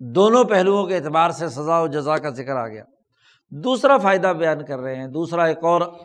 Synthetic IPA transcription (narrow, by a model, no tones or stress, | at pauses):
d̪oːnõpɛɦluõkeɪːt̪ɪbaːɾsesɐzaɔːd͡ʒɐzakazɪkəɾa̰ːɡɐja̰ː | d̪uːsɾafaːɪd̪abɐjaːnkɐɾːɐɦeɦɛ̃d̪uːsɾaeːkɔːɾ